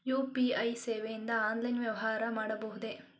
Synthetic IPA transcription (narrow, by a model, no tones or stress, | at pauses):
juːpiɐjseːʋejind̪ɐaːnlɐjnʋjɐʋɐɦaːɾɐmaːɽɐbɐɦud̪e̞